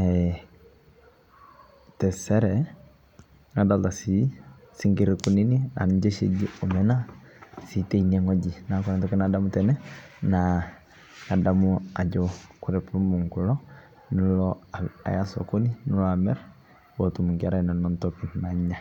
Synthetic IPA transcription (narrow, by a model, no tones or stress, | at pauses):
ɛ | tɛsɛɾɛ | ŋadaltasi | siŋkiɾikuninia̰nd͡ʒeʃḛɟiomɛnasiteineŋoɟinakoɾantɔkinadamutɛnɛna | adamua̰d͡ʒokuɾɛpɾumuŋkulɔ | nulɔa̰jaso̰koninulɔamɛɾ | wotumuŋkiaɾananɔntokinaɲːa